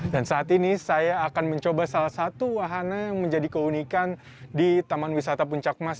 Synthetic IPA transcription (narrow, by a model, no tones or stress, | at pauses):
dansaːt̪inisajaːkanməɲt͡ʃobasalahsat̪uwaɦanajaŋməɲd͡ʒadikəunikan | dit̪amanwisat̪ap̬uɲt͡ʃak̚mas